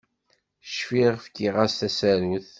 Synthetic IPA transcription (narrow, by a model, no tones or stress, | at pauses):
ə̥ʃfiʁfkiʁæst̪æsæɾuθ